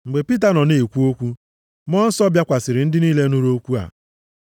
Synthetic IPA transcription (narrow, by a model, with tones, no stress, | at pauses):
ŋ͡m̩˨ɡ͡be˨pi˦t̬a˨nɔ˨ne˨kʷu˦o˦kʷu˦ | mɔ˦n̩˦sɔ˦bja˦kʷa˨sɪ˨ɾɪ˨n̩˦dɪ˦niː˦le˦nu˦ɾo˦kʷu˦a̰˨